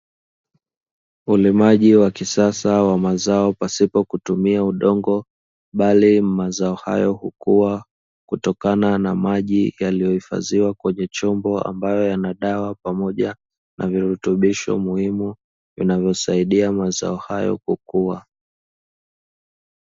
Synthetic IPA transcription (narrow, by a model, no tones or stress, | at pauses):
ulimaʄiwakisasawamazaɔpasipɔkutumiauɗɔŋɡɔ | ɓalimazaɔha̰jɔhukuwa | kutɔkananamaʄijalijɔhifa̰ziwakwɛɲɛt͡ʃɔmbɔa̰mbajɔjanaɗawapamɔʄa | nʔa̰viɾutuɓiʃɔ̰muhimu | jṵnavjɔsaiɗiamaza̰ɔhajɔ̰kukuwa